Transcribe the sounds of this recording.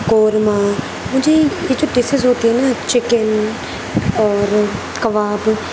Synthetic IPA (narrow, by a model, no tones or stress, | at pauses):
koːɾmaː | mʊd͡ʒʱeːjeːd͡ʒoːɖɪsɪsɦoːt̪iɦɛnaːt͡ʃɪkən | ɔːɾ | kəʋaːb